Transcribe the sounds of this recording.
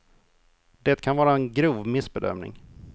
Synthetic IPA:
d̪̥ɛt̪kʰanvɑːɾaɛnɡɾuːvmɪsbɛd̪œ̰mnɪ̰ŋ

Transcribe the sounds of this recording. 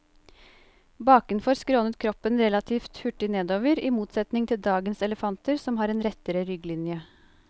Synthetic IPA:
bɑːkənfɔɾskɾoːnət̪̚kʰɾɔpːənɾɛlɑt̪ʰiːft̪hʉʈːɪneːd̪oːʋəɾimuːt̪sɛt̪nɪŋt̪ʰɪld̪ɑːɡənsɛləfɑnt̪əɾsɔmhɑːɾɛːnɾɛt̪əɾəɾʏɡlɪnjə

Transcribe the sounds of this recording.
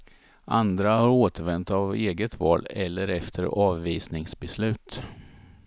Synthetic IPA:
ʔa̰nd̪ɾahaɾoːt̪əɾvɛnt̪aveːɡət̪vɑ̰ːlɛlːəɾɛft̪ʰəɾɑːvːiːsnɪŋsbɛslʉ̟ːt̪

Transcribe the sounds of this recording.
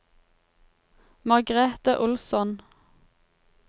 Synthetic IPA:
mɑʁɡʁeːt̪əʔʊlsɔn

